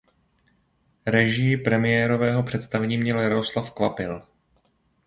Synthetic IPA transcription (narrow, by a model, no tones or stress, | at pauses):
ɾɛʒɪpɾɛmɪjɛːɾo̞vɛːɦo̞pr̥ɛt̪st̪avɛɲiːmɲɛljaɾoslafkvapɪl